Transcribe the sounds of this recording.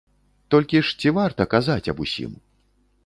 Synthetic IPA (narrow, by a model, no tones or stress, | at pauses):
t̪ɔlʲkʲiʂt͡sʲivart̪ɐkazat͡sʲɐbusʲḭm